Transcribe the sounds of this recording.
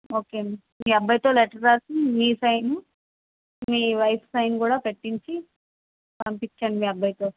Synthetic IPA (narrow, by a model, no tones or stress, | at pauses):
oːkemi | miːɐbːɐjt̪oːleʈɐɾasimĩːsajnu | miːʋɐjpʰsajnkuːɽapeʈːint͡ʃʰi | ɐmpit͡ʃʰɐnmĩːɐbʱːɐjt̪oː